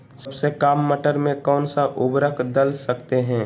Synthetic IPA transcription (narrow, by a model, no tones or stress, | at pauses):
səbsekaːmːəʈəɾmẽkɔːnsaʔʊbɾəkʰd̪əlsəkt̪eɦɛ̃ː